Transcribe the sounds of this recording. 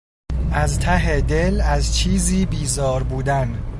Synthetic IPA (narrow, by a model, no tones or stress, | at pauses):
ʔæzt̪ʰæɦed̪e̞læzt͡ʃʰiːziːbiːzɒːɾbuːd̪æn